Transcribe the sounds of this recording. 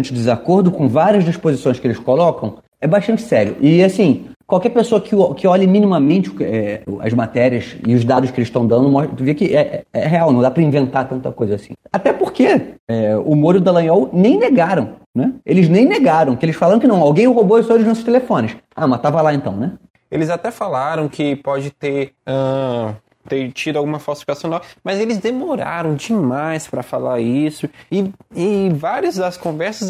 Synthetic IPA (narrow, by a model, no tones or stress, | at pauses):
ɐ̃t͡ʃɪʊd͡ʒɪzakoɾd̪ʊkõvaɾiɐzd͡ʒ̪ɪʃpozisõj̃skɪelɪskolɔkɐ̃w̃ | ɛbaʃt̪ɐ̃nt͡ʃɪ̥sɛɾjʊʔɪasĩkwawkɛɾpesoɐkɪɔkɪɔʎɐmĩnimɐmẽnt͡ʃɪʊkɛ̰ɐ̰zmat̪ɛɾiɐsɪʊzd̪ad̪ʊʃkɪelɪʃt̪ɐ̃w̃d̪ɐ̃nd̪ʊmɔʃt̪t̪uviɐkɪʔɛʔɛɛ̰ɦeawnɐ̃d̪apɾɐĩvẽnt̪aɾt̪ɐ̃nt̪ɐkojzɐaːsḭ̃at̪ɛpoɾkeɛumoɾʊd̪alɐ̃jɔwnẽj̃neɡaɾɐ̃w̃nɛelɪznẽj̃neɡaɾɐ̃w̃kɪelɪsfalaɾɐ̃kɪnɐ̃w̃awɡẽj̃ʊɦoboesɔelɪznɔsʊʃt̪elefõnɪs | amɐt̪avɐlaẽnt̪ɐ̃w̃nɛ | elɪzat̪ɛfalaɾɐ̃w̃kʰɪpɔd͡ʒɪt̪eɾɐ̃ | t̪eɾt͡ʃid̪ʊawɡũmɐfawsifikasjonawmɐzelɪzd̪emoɾa̰ɾɐ̃w̃d͡ʒɪmajspɾɐfalaɾisʊɪɪvaɾiɐzd̪ɐskõvɛɾsɐs